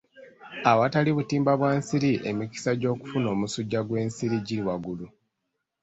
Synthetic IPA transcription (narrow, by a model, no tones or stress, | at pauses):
awataliβutiːmbaβwaːnsiɾiʔe̞̰miki̥saɟo̞ːku̥funo̞ːmusuɟːaɡwe̞ːnsiɾiɟiɾiwaɡulu